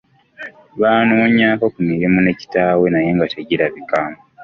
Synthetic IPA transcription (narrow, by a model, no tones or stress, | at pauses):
βaːnoːɲaːko̞kumiɾimune̞ci̥taːwe̞naje̞ːŋɡateɟiɾaβikaːmo